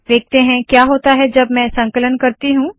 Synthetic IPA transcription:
ʋeːk̚t̪eɦɛ̃kjaːɦoːt̪aɦɛd͡ʒɐbmɛ̃sɐ̃ŋkələnkɐɾt̪iɦũː

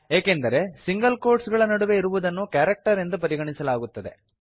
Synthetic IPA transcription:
eːkend̪ɐɾe̞siŋɡɐlkoːɾɖsɡɐɭɐnɐɽuʋe̞iɾuʋud̪ɐnːukjaːɾɐk̚ʈɐɾe̞nd̪upɐɾiɡɐɳisɐlaːɡut̪ːɐd̪e̞

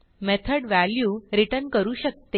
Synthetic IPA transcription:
met̪ʰəɽʋæljuːɾiʈənkəɾuːɕək̚t̪e

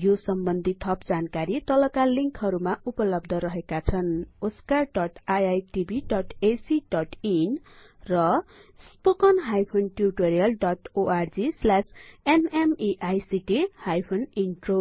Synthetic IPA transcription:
josʌmbʌnd̪ʱit̪ʰʌp̚d͡zankaɾit̪ʌlʌkaliŋkɦʌɾumaupʌlʌb̚d̪ʱʌɾʌɦekat͡sʰʌnoskaɖʌʈajajʈibʱiɖʌʈesiɖʌʈinrʌspokʌnɦajpʰonʈjuʈoɾijʌlɖʌʈoʔard͡zislasenemiʔajsiʈihajpʰoninʈro

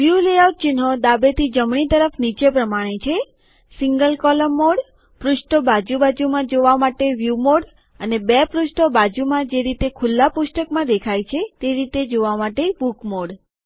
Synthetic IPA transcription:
ʋjuleaw̚t͡ʃɪnɦod̪abet̪ʰid͡ʒəmɳit̪əɾəfnit͡ʃepɾəmaɽ̃et͡ʃʰe | sɪŋɡəlkɔləmːoɽ | pɾʊʃʈobad͡ʒubad͡ʒumãd͡ʒoʋamaʈeʋjumoɽ | ənebɛpɾuʃʈobad͡ʒumãd͡ʒeɾit̪ekʰʊlːapʊʃʈəkmãd̪ekʰajt͡ʃʰet̪eɾit̪ed͡ʒoʋamaʈebukmoɽ

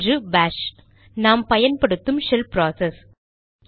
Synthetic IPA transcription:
rɯbaːʂ | naːmpɐjɐnpɐɽɯt̪ːɯmʃɛlpɾaːsɛs

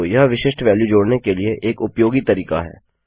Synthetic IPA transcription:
jɐɦʋɪʃɪʃʈʋɛːljud͡ʒoːɽnekelieʔeːkʊpjoːɡit̪ɐɾiːka̰ɦɛ̰ː

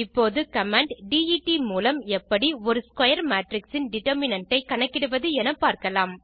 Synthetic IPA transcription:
ɪpːoːðɯkɐmaːɳɖɖiːiʈimuːlɐmɛpːɐɽiɔɾɯskwɐjɐɾmaːʈɾɪksɪnɖɪʈɐɾmɪnɐɳʈːɐɪkɐɳɐkːɪɽɯʋɐðɯɛnɐpːaːɾkɐlaːm

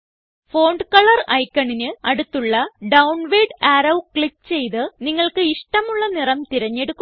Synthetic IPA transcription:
fo̞ːɳɖɨkɐɭɐrɐjkːɐɳinɨɐɽut̪ːuɭːɐɖɐwɳʋeːɖaːɾɐwkɭikːt͡ɕe̞jt̪ɨniŋːɐɭkɨiʂʈɐmuɭːɐnirɐmt̪iɾɐɲːe̞ɽukːu

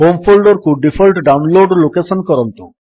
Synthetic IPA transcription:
ɦomfʰolɖoɾkuɖifʰolʈɖawnloɖlokeʃɔnkɔɾont̪o

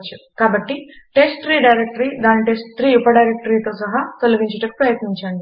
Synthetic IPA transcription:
t͡ʃukaːbɐʈːiʈe̞sʈt̪ɾiːɖɐjɾek̚ʈɐɾiːd̪aːniʈesʈt̪ɾiːupɐɖɐjɾek̚ʈɐɾiːt̪o̞ːsɐɦat̪olɐɡiɲt͡ʃɐʈɐki̥pɾɐjɐt̪niɲt͡ʃaːɳɖi

